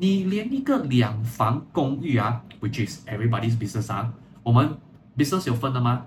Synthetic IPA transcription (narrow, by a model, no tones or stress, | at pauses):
niliə̃nnikəliãŋfãŋkɔ̃ŋiawit͡ʃisɛvɹibɔdis̬bisnəsha | womə̃n | bisnəsjɔfə̃nãma